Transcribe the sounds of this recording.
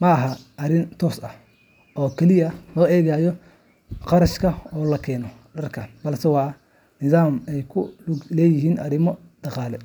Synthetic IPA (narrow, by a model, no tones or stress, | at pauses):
mɐɐɦɐʔɐɾɪnt̪ʰɔːsɐh | ʔɔːkʰɛlɪjɐlɔːɛːɣaːjɔ | qɑɾɐʃkʰɐɔːlɐkʰɛːnɔ | ɖɐrkʰɐnbɐlsɛwɑː | nɪðaːmɛjkʰʊlɛːjɪɦiːnʔɐɾɪmɔ | d̪̥ɑqɑːlɛ